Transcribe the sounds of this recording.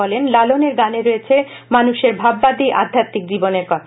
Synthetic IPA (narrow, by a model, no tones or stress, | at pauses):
ɔlenlaloneɾɡaneɾojet͡ɕʰe | manuʃeɾbʱabːad̪iʔa̰d̪ʱːat̪ːik̚d͡ʑiboneɾkɔ